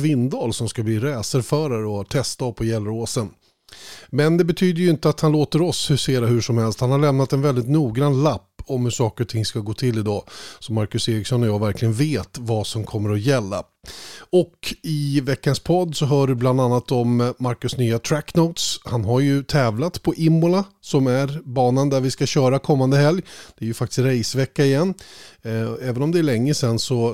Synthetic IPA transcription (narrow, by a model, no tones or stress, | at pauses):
vɪnd̪ɑːlsɔmskabliːɾɛːsəɾfœːɾaɾəɔt̪ʰɛst̪apʰɔjɛlːəɾoːsən | mɛnd̪ɛbɛt̪ʰyːd̪əɾjɵɪnt̪əat̪hanloːt̪əɾɔshɵseːɾaɦɵʂɔmhɛlst̪hanhaɭɛmnat̪ɛnvɛld̪ɪt̪nuːɡɾanlapːɔmhɵʂɑːkəɾɔt̪ʰɪŋːskaɡoːt̪ʰɪlːɪd̪ɑːsɔmaɾkɵseːɾɪksɔnɔjɑːɡvæɾklɪɡənveːt̪vasɔmkʰɔmːəɾɔjɛlːa̰ | ɔkɪvɛkːanspʰɔd̪ːsɔɦœːɖɵbland̪anːat̪ɔmːaɾkɵsnyːat̪ʰɾæknoʊt̪shanɦaɾjɵt̪ʰɛːvlat̪pʰɔʔɪmːʊlasɔmæɾbɑːnənd̪æɾvɪskaɕœːɾakʰɔmːand̪əhɛljd̪̥ɛæɾjɵfak̚t̪ɪ̥st̪ɾɛjsvɛkːaɪjɛnː | ɛːvənɔmd̪ɛæɭɛŋːəsɛnsɔ